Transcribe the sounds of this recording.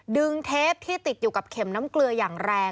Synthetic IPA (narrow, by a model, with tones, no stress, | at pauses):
dɯ˧ŋt̪ʰeː˦˥p̚t̪ʰiː˥˩t̪i˨˩t̪̚juː˨˩ka˨˩p̚kʰe˩˦mnaː˦˥mklɯ˧ɐjaː˨˩ŋɾɛː˧